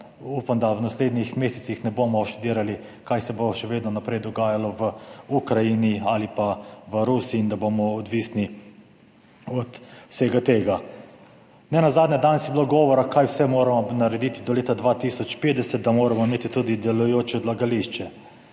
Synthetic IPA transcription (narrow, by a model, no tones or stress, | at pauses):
upamd̪awnasleːd̪nixmeːsɛt̪sixnɛboːmɔʃt̪ud̪iːɾali | kajsɛboʃɛʋeːd̪nɔnapɾɛjd̪ɔɡaːjalɔʋəukɾajinialipaʋəɾusiːnd̪abomɔːd̪ʋisni | ɔt̪wseːɡat̪eːɡa | nɛnazaːd̪nʲɛd̪ansibiloɡɔːʋɔɾakajwsɛmoːɾamɔnaɾɛd̪it̪id̪ɔleːt̪ad̪ʋaːt̪isɔt͡ʃpeːd̪ɛsɛt̪̚d̪amoːɾamɔimeːt̪it̪ud̪id̪ɛlujoːt͡ʃɛd̪laɡaliʃt͡ʃɛ